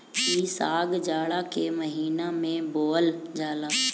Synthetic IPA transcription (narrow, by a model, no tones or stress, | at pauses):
isaːɡd͡ʒaːɭakeməɦiːnamẽboːəld͡ʒaːla